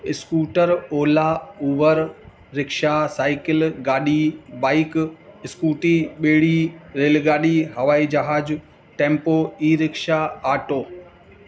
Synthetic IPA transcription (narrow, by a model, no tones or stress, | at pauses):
ɪskuːʈəɾoːlauːʋəɾː | ɪkʃasaːɪkɪlɡaːɗibaːɪkɪskuːʈiɓeːɽiɾeːlɡaːɗiɦɐʋaːid͡ʒɐɦaːd͡ʑ | ʈẽːmpoːiːɾɪkʃaaːʈoː